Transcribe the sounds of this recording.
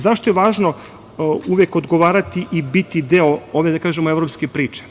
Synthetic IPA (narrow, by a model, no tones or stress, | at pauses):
zaʃt̪ojeʋaːʒno | uʋjeko̞d̪ɡoʋaːɾat̪iʔibit̪id̪eooʋe̞d̪akaːʒemoeʋɾopskepɾiːt͡ʃe̥